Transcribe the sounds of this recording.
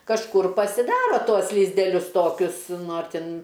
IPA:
kɐʃˈkʊr pɐsʲɪˈdɑːroː ˈtuɔs lʲɪzʲdʲɛˈlʲʊs ˈtoːkʲʊs ˈnʊ ɐr ˈtʲɪn

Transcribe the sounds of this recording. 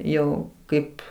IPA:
ˈjɛʊ ˈkɐɪp

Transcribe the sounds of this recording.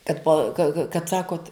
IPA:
tɐt pɐ kɐ kɐ kɐt ˈsɑːkoːt

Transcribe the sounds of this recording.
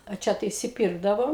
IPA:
ɐ ˈt͡ʃʲɛ tɐɪ ɪʃʲsʲɪˈpʲiːrɡdɐʋoːm

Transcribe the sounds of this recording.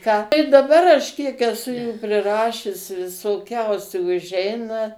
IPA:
kɑː dɐˈbɐr ɐʃ kʲiɛk ɛˈsʊ juː pʲrʲɪˈrɑːʃʲʊs ʋʲɪsoːˈkʲɛʊsʲuː ʊʒʲˈɛɪnɐ

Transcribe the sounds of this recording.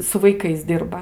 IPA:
sʊ ʋɐɪˈkɐɪs ˈdʲɪrbɐ

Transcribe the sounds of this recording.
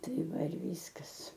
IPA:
ˈtɐɪ ˈʋɐ ɪr ˈʋʲiːskɐs

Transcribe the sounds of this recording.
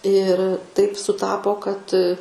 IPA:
ɪr tɐɪp sʊˈtɑːpoː kɐt

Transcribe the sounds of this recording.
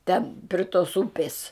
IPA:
ˈtʲɛn pʲrʲɪ toːs ˈʊpʲɪs

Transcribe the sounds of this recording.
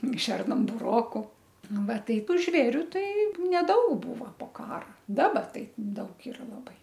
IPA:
ˈʃʲɛrnɐm bʊˈroːkʊ ˈnʊ ˈʋɐ ˈtɐɪp ˈʒʲʋʲeːrʲʊ ˈtɐɪ nʲɛˈdɐʊk ˈbuːʋoː poː ˈkɑːrɐ ˈdɑːbɐ ˈtɐɪ ˈdɐʊk ˈɪrɐ lˠɐˈbɐɪ

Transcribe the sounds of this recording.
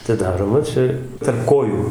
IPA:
ɐtʲɪˈdɑːroːmɐ ˈt͡ʃʲɛ tɐrp ˈkoːjuː

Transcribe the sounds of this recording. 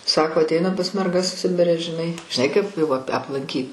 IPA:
ˈsɑːkoː ɐtʲˈɛɪnɐm pɐs mʲɛrˈɡɐs ˈsʲɪbʲɪrʲɛ ʒʲɪˈnɐɪ ʒʲɪˈnɐɪ kɐɪp jɛʊ ɐpʲ ɐplˠɐŋʲˈkʲiːt

